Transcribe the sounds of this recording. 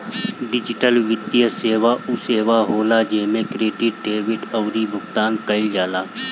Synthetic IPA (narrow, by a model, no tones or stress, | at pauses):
ɖɪd͡ʒɪʈəlʋɪd̪jəseːʋaʔuseːʋaɦoːlad͡ʒɛɦmẽkɾeːɖɪʈ̚ɖeːʋɪʈəʊɾibʱʊɡt̪aːnkəɪld͡ʒaːlaː